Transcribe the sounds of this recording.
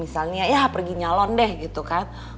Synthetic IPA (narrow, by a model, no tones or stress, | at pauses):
misalnajapərɡiɲalɔndɛhɡit̪ukan